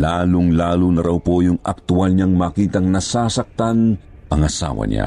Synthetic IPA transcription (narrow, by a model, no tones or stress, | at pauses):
laːlʊŋlaːlʊnɐɾɐwpo̞jʊŋɐ̰k̚t̪ʊalɲaŋmaːkiːt̪ɐŋnɐsaːsɐk̚t̪an | ʔɐŋɐsa̰ːwɐ̰ɲa̰